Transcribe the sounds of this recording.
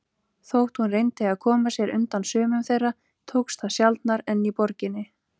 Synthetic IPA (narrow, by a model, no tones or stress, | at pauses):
θowht̪hunrejnt̪ɪaðkʰɔːmasjɛɾʏ̰nt̪ansœːmʏmθejra | t̪ʰowkst̪θaðsjalt̪naɾɛnːipɔɾcɪnːɪ